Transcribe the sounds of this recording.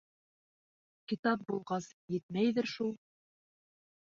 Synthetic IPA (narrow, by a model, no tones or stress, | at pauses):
kit̪ɑp̚bulˠʁɑsjɘ̆t̪̚mæjðɘɾʃulˠ